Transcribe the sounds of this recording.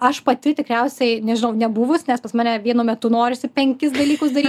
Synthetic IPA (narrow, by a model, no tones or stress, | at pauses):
ɐʃpɐt̪ʲɪt̪ʲɪkɾʲɛʊsʲɛɪnʲɛʒʲɪnɐʊnʲɛbʊʋʊsnʲɛspɐsmɑːnʲɛʋʲiɛnuːmʲɛt̪ʊnoːɾʲɪsʲɪpʲɛŋʲkʲɪsd̪ɐlʲiːkʊs̬d̪ɐɾʲiː